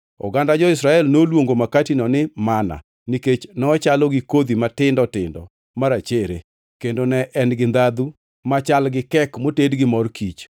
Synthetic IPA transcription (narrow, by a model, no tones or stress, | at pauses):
ɔ̰ɡandad͡ʒɔɪsɾaɛlnolwoŋɡomakatinɔnɪmana̰ | niket͡ʃnɔt͡ʃalɔɡɪkod̪imatɪndɔtɪ̰ndɔ̰ | maɾat͡ʃeɾḛ | kendonɛʔɛnɡɪnd̪ad̪u | mat͡ʃalɡɪkɛkmotedɡɪmɔrkit͡ʃ